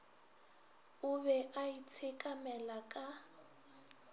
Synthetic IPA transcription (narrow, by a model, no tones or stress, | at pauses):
ʊβɛʔait͡sʰekʼamɛlakʼa